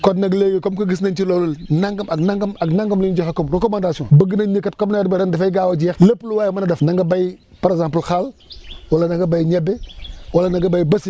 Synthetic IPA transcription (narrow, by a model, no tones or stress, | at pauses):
kɔdnɐɡleɡekomkɐɡəs̬nantilolulnaŋɡɐmaɡnaŋɡɐmaɡnaŋɡɐmlind͡ʒoxekɔmɾokomandasɔ̃bəɡənaɲikatkomnajadbeɾandafaɡawad͡ʒixləpluwaːjmanadafnaŋɡabaj | paɾezãmplxalwalanaŋɡabajɲebewalanaŋɡabajbɐsi